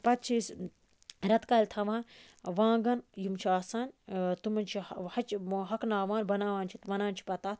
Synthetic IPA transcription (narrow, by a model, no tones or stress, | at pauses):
pɐt̪̚t͡ʃʰis | ɾɐt̪kɐlʲt̪ʰɐʋãːn | ʋãːŋɡɐnjumt͡ʃʰiaːsaːnʲt̪umɐnt͡ʃʰihɐt͡ʃɦɐknaːʋaːnbɐnaːʋaːnʲt͡ʃʰit̪ʋɐnaːnt͡ʃʰi̥pɐt̪aːt̪̚ʰ